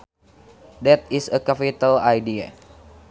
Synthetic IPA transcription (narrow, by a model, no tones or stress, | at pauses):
dɛt̪̚isəkapit̪alajdia̰